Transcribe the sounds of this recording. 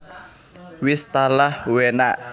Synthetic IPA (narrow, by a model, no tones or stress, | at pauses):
wist̪alahwenaʔ